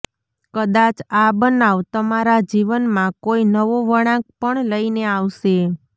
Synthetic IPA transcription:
kəd̪at͡ʃabənaʋt̪əmaɾad͡ʒiʋənmãkoinəʋoʋəɽ̃ãk̚pəɳləineaʋʃe

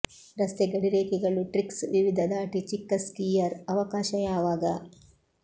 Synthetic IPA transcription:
ɾɐst̪eɡɐɽiɾeːkiɡɐɭuʈɾiksʋiʋid̪ʱɐd̪aːʈit͡ʃikːɐskiːjɐɾɐʋɐkaːʃɐjaːʋaːɡɐ

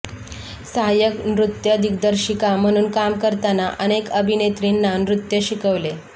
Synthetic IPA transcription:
səɦajəknɾut̪jəd̪ʱikd̪əɾɕikam̤əɽ̃uːnkamkəɾt̪anaʔəñekəbʱinet̪ɾinːanɾut̪jəɕikəʋle

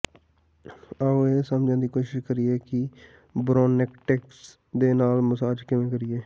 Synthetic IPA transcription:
əoeːsəmd͡ʒãːnd̪iːkoːʃɪʃkəɾiːɛːkɪ | bɾoːnɪkʈɛːks | d̪eːnaːlməsaːd͡ʒkɪmẽːkəɾiɛː

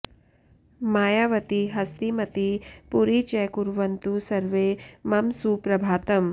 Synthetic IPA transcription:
maːjaːʋɐt̪iɦɐst̪imɐt̪ipuɾit͡ʃɛːkuɾʋɐnt̪usɐɾʋeːmɐmsuːpɾɐbʱaːt̪ɐm

